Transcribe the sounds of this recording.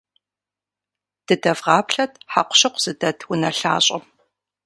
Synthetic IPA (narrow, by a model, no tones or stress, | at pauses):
d̥ɨdɐvʁɑːpɬɐtʰħa̰qʷʊ̥ɕɐqʷʊz̥ɨdɐtʰwʊnɐɬa̰ːɕʼɐm